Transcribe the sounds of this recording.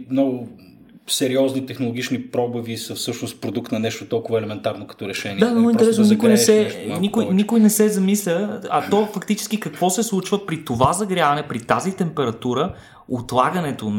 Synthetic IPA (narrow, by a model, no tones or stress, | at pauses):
mnɔɡʊ | sɛɾiɔznit̪ɛxnolˠoɡit͡ʃnipɾɔbəvisəfsɤʃnost̪pɾod̪uk̚t̪nɐnɛʃt̪ot̪ɔlˠkʊvəɛlɛmɛnt̪aɾnokɐ̥t̪ɔɾɛʃɛnid̪aoint̪ɛɾɛsnonikojnɛsɛnikʊjnikʊjnɛsɛzɐmislʲəɐt̪ɔfɐkt̪it͡ʃɛ̥sk̟ikɐkvɔsɛslˠut͡ʃvəpɾit̪ovazɐɡɾʲavɐnɛpɾit̪azit̪ɛmpɛɾɐt̪uɾə | ot̪lˠaɡənɛt̪o